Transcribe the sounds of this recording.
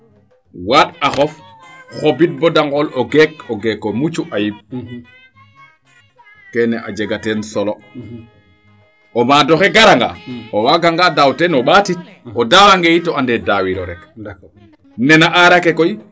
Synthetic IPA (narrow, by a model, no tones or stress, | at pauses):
waɗaxɔf | xobit̚bɔdaŋɡɔlɔɡɛkɔɡɛkːɔmut͡ʃuʔajib̚ | kɛnɛʔa̰d͡ʒɛɡatɛnsɔlɔ | ʔɔmadɔxɛɡaɾaŋɡa̰ɔwaɡaŋɡadawtɛnɔɓatit̚ | ɔdawaŋɡɛjitɔandɛdawiɾɔ̰ɾɛk | nɛnaʔaɾakɛkɔji